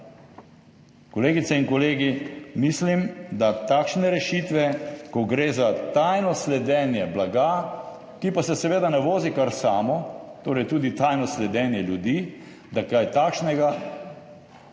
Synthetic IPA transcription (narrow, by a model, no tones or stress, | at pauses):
kɔleːɡit̪sɛinkɔleːɡimislimd̪at̪aːkʃnɛɾɛʃit̪ʋɛkɔɡɾeːzat̪ajnɔslɛd̪ɛːnjɛblaɡa | kipasɛsɛʋeːd̪anɛʋoːzikaɾsaːmɔt̪oːɾɛjt̪uːd̪it̪ajnɔslɛd̪ɛːnjɛljud̪iː | d̪akajt̪aːkʃnɛɡa